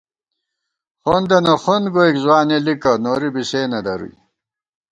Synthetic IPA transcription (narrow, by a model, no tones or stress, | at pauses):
χond̪ɐnɐxonɡoikzwaːnelikɐnoɾibiseːnɐd̪ɐɾṵj